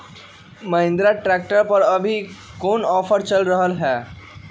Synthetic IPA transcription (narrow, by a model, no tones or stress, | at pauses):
mɐɦɪ̃nd̪ɾaʈɾɛːk̚ʈəɾpɐɾɐbʱi | koːnɔːfəɾt͡ʃəlɾəɦəlɦɛː